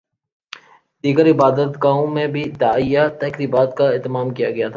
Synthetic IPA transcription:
d̪̥iːɡəɾɪbaːd̪ət̪ɡaːõmẽbʱid̪aːijat̪ɛkɾiːbaːt̪kaeːt̪əmaːmkijaɡɐjat̪ʰaː

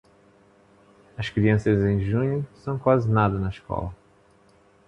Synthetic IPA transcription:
ɐʃkɾiɐ̃sɐzẽj̃ʒũɲʊsɐ̃w̃kwazɪnad̪ɐnɐiʃkɔ̰lɐ

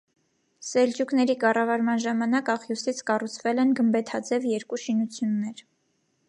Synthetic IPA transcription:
sɛld͡ʒuknɛɾikɑrɑvɑɾmɑnʒɑmɑnɑkɑχjusit͡sʰkɑrut͡sʰvɛlɛnɡəmbɛt̪ʰɑd͡zɛvjɛɾkuʃinut͡sʰjunːɛɾ

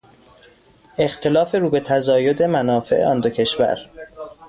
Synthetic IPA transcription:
e̞xt̪ʰe̞lɒːfe̞ɾuːbe̞t̪ʰæzɒːjo̞d̪emænɒːfe̞̰ʔḛɒnd̪ocʰe̞ʃvæ̰ɾ

